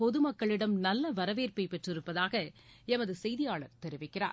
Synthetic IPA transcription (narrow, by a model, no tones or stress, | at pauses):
pɔðɯmɐkːɐɭɪɽɐmnɐlːɐʋɐɾɐʋeːɾpɐɪpɛʈrɪɾɯpːɐðaːɣɐ | ɛmɐðɯsɛjðɪjaːɭɐɾt̪ɛɾɪʋɪkːɪra̰ːɾ